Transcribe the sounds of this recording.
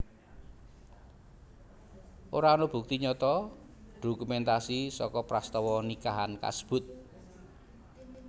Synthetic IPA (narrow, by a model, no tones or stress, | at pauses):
ʔoɾaonob̥ṳk̚t̪iɲɔt̪ɔ | ɖ̥o̤kumɛnt̪asisɔkɔpɾast̪ɔwɔnikaɦanka̰sə̥b̥ʊ̤t̪̚